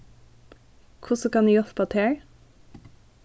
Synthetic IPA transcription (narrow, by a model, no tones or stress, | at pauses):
kʰʊsəkɑniːjɔθpʰɑːt̪ʰeːɹ